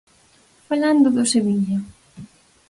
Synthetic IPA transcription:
faland̪ʊðoseβiɲa

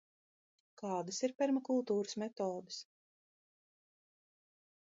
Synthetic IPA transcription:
kɑːd̪asiɾpʲɛɾmakulˠt̪uːɾəsmɛt̪oːd̪ɨs

